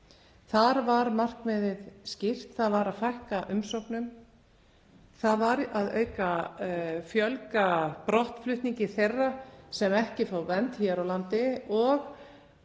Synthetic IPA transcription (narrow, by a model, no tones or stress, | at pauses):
θaɾvaɾmar̥kmɛːðɪðscɪr̥t̪θaðvaɾaðfajhkaʔʏmsowknʏm | θaðvaɾaðœ̰ːɥka | fjœlkapɾɔht̪flʏht̪niɲcɪθejrːasɛmɛhcɪfawvɛnt̪hɛɾawlant̪ɪɔɣ